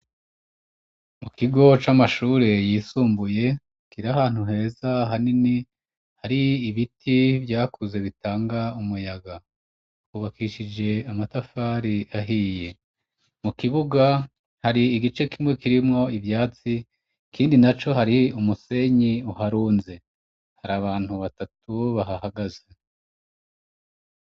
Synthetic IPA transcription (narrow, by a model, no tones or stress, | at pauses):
mukiɡo̞t͡ʃamaʃuːɾe̞jiːsuːmbuje̞ | kiɾahaːn̥huɦe̞ːzaɦanini | haɾiːβitʰivjaːkuze̞βitaːŋɡaumujaɡa | uβakiʃid͡ʒe̞amatafaɾiaɦije̞ | mukiβuɡa | haɾiːɡit͡ʃe̞kimŋe̞kiɾimŋo̞ivjaːt͡si | kiːndinat͡ʃo̞ɦaɾiumuse̞ɲiuhaɾuːnze̞ | haɾaβaːn̥huβatatʰuβaɦahaɡaze̞